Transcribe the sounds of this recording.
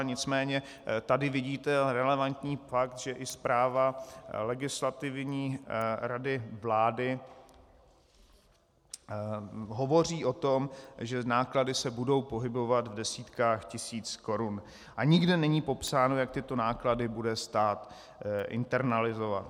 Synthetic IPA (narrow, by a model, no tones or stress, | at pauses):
ɲɪt͡smɛːɲɛ | t̪adɪvɪɟiːt̪ɛɾɛlɛvant̪ɲiːfak̚t̪ʒɛʔɪspɾaːvalɛɡɪslat̪ɪvɲiːɾadɪvlaːdɪ | ɦo̞vo̞r̝iːʔo̞t̪o̞mʒɛnaːkladɪsɛbudo̞wpo̞ɦɪbo̞vat̪vdɛsiːt̪kaːxcɪsiːt͡sko̞ɾun | ʔaɲɪɡdɛnɛɲiːpo̞psaːnojak̚t̪ɪt̪o̞naːkladɪbudɛst̪aːt̪ | ʔɪ̰nt̪ɛɾnalɪzo̞va̰t̪